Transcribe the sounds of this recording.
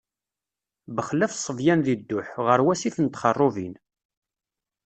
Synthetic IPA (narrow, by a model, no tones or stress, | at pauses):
bəχlːæfsˤəvjænðid̪ːʊħʁəɾwæsiθənt̪χərˤːovin